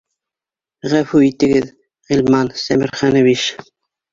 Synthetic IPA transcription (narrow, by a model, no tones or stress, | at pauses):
ʁæfuit̪ɘ̆ɡɘð | ʁilʲmɑnsæmɘ̆ɾχænɘ̆βiʃ